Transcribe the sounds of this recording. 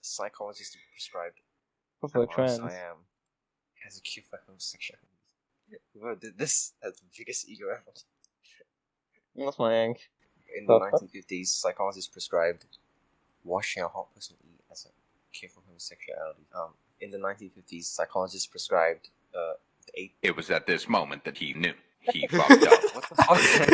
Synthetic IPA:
saɪkʰɔləd͡ʒɪstpʰɹ̥ɛskɹaɪb̚d | blətʰɹɛ̃naɪɛ̃m | ɛzəkʰɛfəhõmsɛkʃuælti | woðɪðɪsɛzðəbɪɡəstḭɡoãt | atsmaɪɛ̃ŋk | ɪ̃nðənãj̃tĩnfɪftiz̥saɪkʰɔləzɪstpʰɹ̥ɛskɹaɪb̚d | wɑʃɪ̃ŋəhɔt̚pʰɜsə̃nḭ | ɛzə | kʰɛfəhõʊmsɛksʃṵæ̰lətiʌ̃m | ɪ̃nðənãɪ̃ntĩnfɪftiz̥saɪkʰɔləd͡ʒɪstpʰɹ̥ɛskɹaɪb̚d | ʌ | ðʔeɪt̚wʌzɨt̪̚ðɪsmõʊ̃mɨ̃nðɨt̚hinjʉ̰ | hifɔ̰wɔsðəfɔ

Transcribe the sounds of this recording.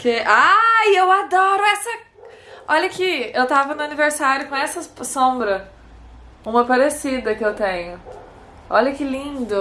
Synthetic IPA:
keʔaewad̪ɔɾʊɛsɐ | ɔʎɐkɪewt̪avɐnʊɐniveɾsaɾjʊkõɛsɐsõbɾɐ | ũmɐpaɾesid̪ɐkɪewt̪ẽɲʊ | ɔ̰ʎɐkɪlĩnd̪ʊ

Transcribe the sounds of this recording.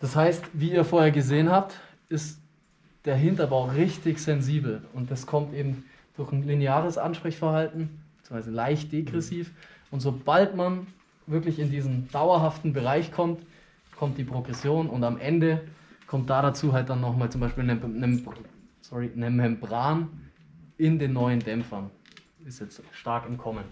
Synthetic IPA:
d̥ashaɪstviːiːɐfoːɐheːɐɡəzeːənhap̚t | ʔɪst | d̥eːɐɦɪntɐbʁaʊʁɪçtɪçz̥ɛnziːbl̩ʊnt̚d̥askʰɔmtʔeːbm̩ | d̥ʊɐçn̩lineaːʁ̞əsʔa̰nʃpʁ̥ɛçfɛɐhaltn̩b̥t͡suːŋv̥aɪzəlaɪçt̚d̥eɡʁɛsiːfʔʊntz̥obaltman | vɪɐklɪçɪndiːzn̩d̥aʊɐɦaftn̩bəʁaɪçkʰɔmt | kʰɔmt̚d̥iːpʁ̥oɡʁɛsjoːnʊntamʔɛndəkʰɔmt̚d̥aːɾat͡suːɦalt̚d̥anːɔχmaːlt͡sʊmbaɪʃpiːlnənəm | sɔʁinɛmɛmbʁaːn | ʔɪndeːnːɔʏəndɛmfɐn | ɪstjɛt͡stʃtaɐkɪmkʰɔmən

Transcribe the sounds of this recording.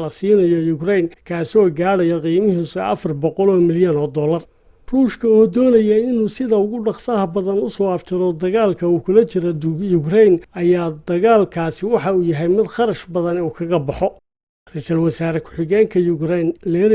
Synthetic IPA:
lɐsiːnɐjɔjʊkrɛjnkʰaːsɔːɡaːɽɐjɔqiːmɪɦiːsʊʔɐfɐrbɔqɔlɔːmɪljɐnɔːd̪ɔːlɐr | ruːʃkʰɐɔːd̪ɔːnɐjɐɪnuːsɪðɐʊɣʊɖɑχsɐɦɐbɐðɐnʊsɔːɐft͡ʃʰɪðɔd̪ɐɣaːlkʰɐuːkʰʊlɐt͡ʃɪɾɔjʊkrɛjnɐjaːd̪ɐɣaːlkʰaːsɪwɑħɑuːjɐɦɛjmɪd̪χɑɾɐʃbɐðɐnɛuːkʰɐɣɐbɑħɔ | rɛt͡ʃɐlwɑsaːɾɛkʰʊ̥ħɪɣɛːŋkʰɐjʊɡɾɛjnlɛːɾ

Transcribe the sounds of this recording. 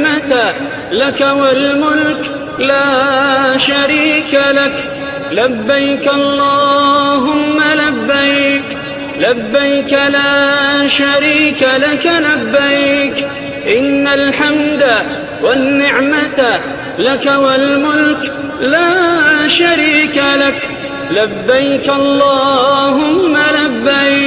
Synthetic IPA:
mat̪a | lakawalmʊlk | laːʃaɾiːkalak | labːajkʔɑllˤːɑːɦʊmːalabːajk | labːajkalaːʃaɾiːkalakalabːajk | ʔɪnːalħamd̪a | wanːɪʕmat̪ | lakawalmʊlk | laːʃaɾiːkalak | labːajkʔɑlˤːɑːʊmːalabːaj

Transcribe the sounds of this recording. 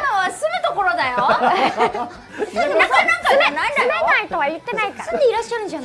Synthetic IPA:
noβasɨmɯt̪okoɾod̪ajo | aaãŋkaɯmenɯmenaait̪oβajɯt̪ːe̞naikaɾɯ̃nd̪eiɾaɕːaɾɯ̃nd͡ʑan

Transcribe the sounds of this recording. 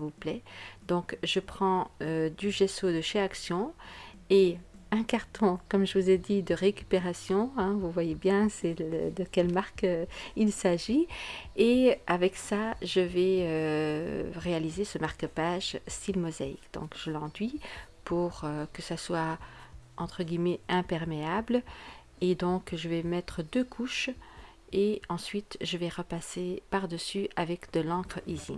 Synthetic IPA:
vuplɛd̪ɔ̃kʒəpχɑ̃ød̪yʒesod̪əʃeaksjɔ̃ | eɛ̃kaʁt̪ɔ̃kɔmʒəvuzed̪id̪əʁekʲy̥peʁasjɔ̃ɛ̃vuvwajebjɛ̃sɛlə̰d̪əkʲɛlmaʁkilsaʒieavɛksaʒəvɛø | ʁealizesəmaʁkəpaʒst̪ilmɔzaḭkd̪ɔ̰̃kʒ̥əlɑ̃d̪ɥi | pʰuʁøkəsaswa | ɑ̃t̪χəɡʲimɛɛ̃pɛʁmeabl | ed̪ɔ̃kʒəvɛmɛt̪χəd̪økʰuʃ | eɑ̃sɥit̪ʒəvɛʁəpasepaʁd̪əsyʔavɛkd̪əlɑ̃kχizḭm

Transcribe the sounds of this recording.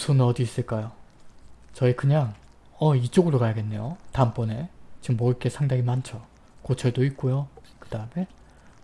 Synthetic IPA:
sʰonʌdiːs͈ɯɭk͈ajo | t͡ɕʌikɯɲaŋ | ʌit͡ɕ͈oɡɯɾokajaɡe̞nːe̞jotamp͈ʌne̞t͡ɕimːʌik͈e̞sʰaŋdaŋimant͡ɕʰʌ | kot͡ɕʰʌɭdoik̚k͈ojokɯd̥aɯme̞

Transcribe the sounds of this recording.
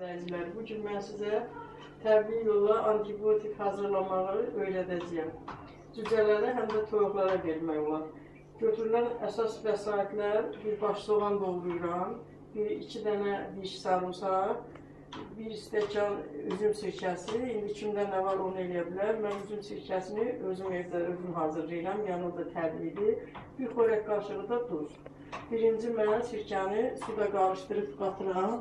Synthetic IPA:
æilæɾbuɟynmænsizæ | t̪ʰæbiijo̞lˠːɑʔɑnt̪ʰibiot̪ʰikhɑːzɯɾlˠɑmɑʁɯɯø̞jɾæd̪æd͡ʒijæm | d͡ʒ̪yzælæɾiɦæmd̪æt̪ʰoɾuχlˠɑɾɑve̞ɾmæjolˠɑɾ | ɟø̞t̪ʰyɾylænæsɑsvæsɑːit̪ʰlæɾbiɾbɑʃzoʁɑnd̪o̞ʁˠd̪ujɾɑm | biɾḭcʰid̪ænæb̪iʃsɑɾusɑ | biɾist̪æcʰɑnyzymsiɾcʰæsiind̪icʰimd̪ænd̪ævɑɾo̞nɯe̞lijæbilæɾmænyzymsiɾcʰæsiniø̞zymevd̪æøzymɦɑːzɯɾlˠɯjɾɑmjɑnod̪ɑt̪ʰæblid̪ib̥iɾχoɾækɡɑɾʃɯʁɯd̪ɑd̪uɾ | b̥iɾind͡ʒimænsiɾcʰænisud̪ɑɡɑɾɯʃt̪ɯɾɯpɡɑt̪ʰɯɾɯʁɑn

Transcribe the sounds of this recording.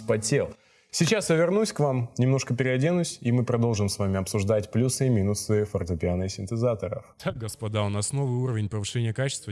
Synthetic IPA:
pɐtʲelˠ | sʲɪt͡ɕasjavʲɪrnusʲkvamnʲɪmno̞ʂkəpʲɪɾʲɪɐdʲenʊsʲimɨpɾɐd̪o̞lˠʐɨmsvamʲɪɐpsʊʐd̪atʲplʲusɨmʲinʊsɨfərt̪əpʲɪanɨsʲɪnt̪ɨzat̪əɾə̰ft̪ʰak̚ɡəspɐd̪aʊnasnovɨuɾəvʲɪnʲpəvɨʂɛnʲɪjəkat͡ɕɪ̥st̪və

